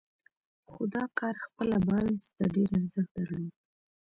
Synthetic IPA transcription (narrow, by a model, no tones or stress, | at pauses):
xʊd̪ɑkɑɾxpəlabɑjnst̪aɖeɾaɾzəxt̪̚aɾəwi